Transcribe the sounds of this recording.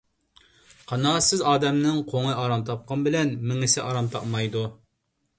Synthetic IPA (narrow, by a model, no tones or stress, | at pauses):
qʰɑnɑːsɪzɑːd̪ɛmnɪŋqʰoŋɨjɑɾɑmt̪ʰɑp̚qɑnbɪlɛnmɪŋɪsɪʔɑɾɑmt̪ʰɑqmɑjd̪u